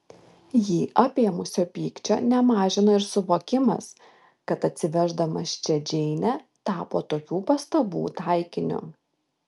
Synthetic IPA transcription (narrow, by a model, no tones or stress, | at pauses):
jiːʔɐpʲeːmʊsʲoːpʲiːkt͡ʃʲo̰ːnʲɛmɑːʒʲɪnoːɪɾsʊʋoːkʲɪmɐ̰s | kɐt̪ɐt̪ʲsʲɪʋʲɛʒd̪ɐmɐst͡ʃʲɛd͡ʒʲɛɪnʲɛt̪ɑːpoːt̪oːkʲuːpɐst̪ɐbṵːt̪ɑˑɪkʲɪnʲʊ̰